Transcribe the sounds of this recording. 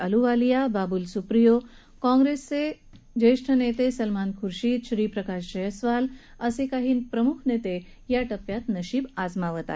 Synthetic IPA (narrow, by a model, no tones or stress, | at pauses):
əluʋaːlijabaːbulsupɾijo | kɔ̃ŋɡɾesːe | d͡ʑeʂʈʰənet̪esɐlmankʰuɾʃiːt̪ʃɾiːpɾɐkaʃd͡ʑəjəsʋal | əsekaɦiːnpɾəmukʰnet̪e | jaʈɐpjat̪nəɕiːbazmaʋət̪a̰